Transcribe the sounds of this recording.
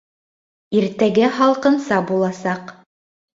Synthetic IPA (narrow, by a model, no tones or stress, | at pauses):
iɾt̪æɡæɦɑlˠqɤ̆nsɑbulˠɑsɑq